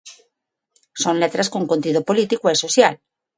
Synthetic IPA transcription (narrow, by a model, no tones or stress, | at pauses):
sõ̞nlet̪ɾaskoŋkont̪iðopolit̪ikoesosjal